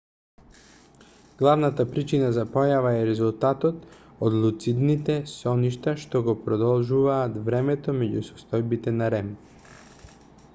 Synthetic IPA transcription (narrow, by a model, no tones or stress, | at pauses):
ɡ̥lˠavnat̪apɾit͡ʃinazapɔjavaɛɾɛzulˠt̪at̪ɔt̪ | od̪lˠut̪sid̪nit̪ɛsɔniʃt̪aʃt̪ɔɡɔpɾɔd̪ɔlˠʒuvaːt̪vɾɛmɛt̪ɔmɛɟusɔ̥st̪ɔjbit̪ɛnaɾɛm